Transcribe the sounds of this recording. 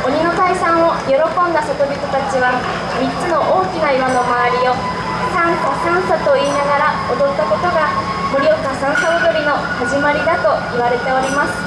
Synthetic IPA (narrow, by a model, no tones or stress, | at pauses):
o̞ɲ̟ino̞k̪aisãɰ̃o̞jo̞ɾo̞kõ̞nd̪asotobʲit̪ot̪at͡ɕiβa | mʲitːt͡sɨno̞ʔoːkʲinaiɾonomaβaɾʲio̞ | sãɰ̃sasãɰ̃sat̪o̞iːnaɡaɾaod̪o̞t̪ːako̞t̪o̞ɡa | moɾʲiokasãɰ̃saɡʲoɾʲino̞ | haʑimaɾʲid̪at̪o̞iβaɾe̞t̪e̞o̞ɾʲimasɨ̥